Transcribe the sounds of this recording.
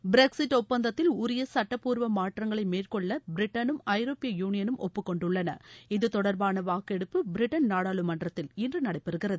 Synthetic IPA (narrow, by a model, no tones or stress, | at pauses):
bɪɾɛksɪʈːɔpːɐnd̪ɐt̪ːɪlʊɾɪjɐsɐʈːɐpːuːɾʋɐmaːʈrɐŋɡɐɭɐɪmeːrkɔɭːɐbɪɾɪʈːɐnɯmɐɪɾoːpːɪjɐjuːnɪjɐnɯmʔɔ̰pːɯkːɔɳɖʊɭːɐnɐ̰ɪðɯt̪ɔɽɐɾbaːnɐʋaːkɛɽɯpːɯbɪɾɪʈːɐnnaːɽaːɭɯmɐɳɖrɐt̪ːɪlɪndrɯnɐɽɐɪpːɛɾɯɣɪrɐðɯ